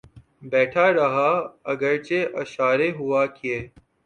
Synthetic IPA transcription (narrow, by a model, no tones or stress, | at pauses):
bɛːʈʰaɾɐɦaːɐɡəɾt͡ʃeʔɐʃaːɾeɦʊaːkɪeː